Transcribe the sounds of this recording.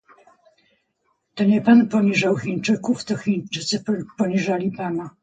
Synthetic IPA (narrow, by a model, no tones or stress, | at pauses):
t̪ɔɲɛpanpɔɲiʐawxint͡ʂɘkuft̪ɔxʲint͡ʂɘt̪sɘppɔɲiʐalʲipana